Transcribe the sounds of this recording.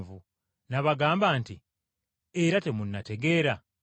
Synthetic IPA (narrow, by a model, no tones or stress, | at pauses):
vu | naβaɡaːmbaːnti | eɾate̞munːate̞ɡe̞ːɾa